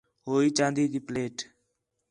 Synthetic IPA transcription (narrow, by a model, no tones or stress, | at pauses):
ɦoːiːt͡ʃãːnd̪iːt̪iːpleːʈ